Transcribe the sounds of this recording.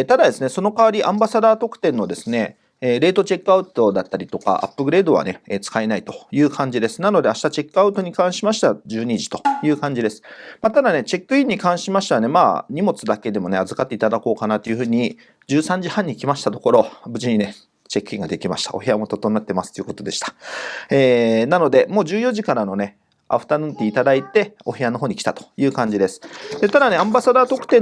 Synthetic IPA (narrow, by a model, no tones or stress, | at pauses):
t̪ad̪ad̪e̞sɨne̞so̞no̞kaβaɾʲiʔã̰mbasad̪aːt̪o̞kɯ̟̥t̪ẽ̞nːo̞d̪e̞sɨne̞ː | ɾe̞ːt̪o̞t͡ɕe̞kːɯaɯ̟t̪o̞d̪at̪ːaɾʲit̪oka̰ʔa̰pːɯ̟ɡɯ̟ɾe̞ːd̪o̞βa̰ne̞eːt͡sɨ̥kaenait̪o̞̥jɯ̟ːkʰãɲ̟d͡ʑid̪e̞sɨ̥nano̞d̪e̞aɕi̥t̪at͡ɕe̞kːɯaɯ̟t̪o̞ɲ̟ikãɰ̃ɕimaɕi̥t̪ad͡ʑɨːɲ̟iʑi̥t̪o̞̥jɯ̟ːkãɲ̟d͡ʑid̪e̞sɨ̥maːt̪ad̪ane̞t͡ɕe̞kːɯ̟ĩɲ̟ːikãɰ̃ɕimaɕi̥t̪aane̞ma̰ːɲ̟imo̞t͡sɨd̪ake̞d̪e̞mo̞ne̞azɨkat̪ːeit̪ad̪ako̞ːkanat̪ːo̞jɯ̟ɸɯ̟ːɲ̟i | d͡ʑɨːsãɲ̟d͡ʑihãɲ̟ːikʲimaɕi̥t̪at̪o̞ko̞ɾo̞bɯ̟d͡ʑiɲ̟ine | t͡ɕe̞kːɯ̟ĩŋɡad̪e̞kʲimaɕi̥t̪a̰o̞̰ɦe̞amo̞t̪o̞t̪o̞nat̪ːe̞masɨ̥t̪ojiɯ̟ko̞t̪o̞d̪e̞ɕi̥t̪ḁeːnano̞d̪e̞mo̞ːd͡ʑɨːjo̞ʑikaɾano̞ne̞ | a̰ɸɯ̟̥t̪anɯ̃nt̪ːeit̪ad̪ait̪e̞o̞he̞ano̞ɦo̞ːɲ̟ikʲi̥t̪at̪o̥jɯ̟ːkãɲ̟d͡ʑid̪e̞sɨ̥d̪̥e̞t̪ad̪ane̞ãmbasad̪aːt̪o̞kt̪ẽ̞